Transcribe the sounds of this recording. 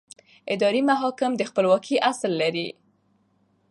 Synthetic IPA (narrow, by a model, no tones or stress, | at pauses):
ɪd̪ɑɾimaɦɑkɪmd̪əxpəlwɑkʰiʔaslːaɾi